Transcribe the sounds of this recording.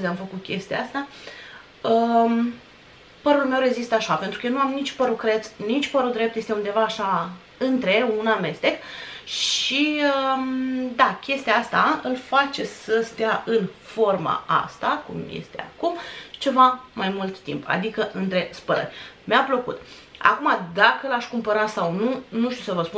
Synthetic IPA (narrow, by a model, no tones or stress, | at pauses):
zeamfəkut̪̚kʲe̞st̪iaast̪a | ə | pəɾulme̞wɾe̞zist̪əaʃape̞nt̪ɾukəjenuamnit͡ʃpəɾukɾe̞t̪snit͡ʃpəɾud̪ɾe̞p̚t̪je̞st̪eund̪e̞vaːʃa | ɨnt̪ɾe̞uname̞st̪e̞kʃiə | d̪akʲe̞st̪iaast̪aɨlfat͡ʃe̞səst̪ejaʔɨnfo̞rma̰a̰st̪akṵmjḛst̪e̞̰a̰kumt͡ʃe̞vamajmult̪ːḭmpʰa̰d̪ikəʔɨnt̪ɾe̞spəɾə̰rʲmeapləkṵt̪ | a̰kumad̪akəɨlaʃkumpəɾat̪sawnunuʃt̪iusəvəspu